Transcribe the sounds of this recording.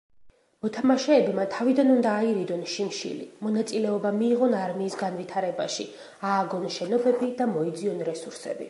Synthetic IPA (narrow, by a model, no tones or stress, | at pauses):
mɔt̪ʰamaʃɛːbmat̪ʰavid̪anund̪aːiɾid̪ɔnʃimʃḭlḭmɔnat̪sʼilɛɔbamiːʁɔnaɾmiːsɡanvit̪ʰaɾɛbaʃi | aːɡɔnʃɛnɔbɛbid̪amɔid̪ziɔnɾɛsuɾsɛ̰bḭ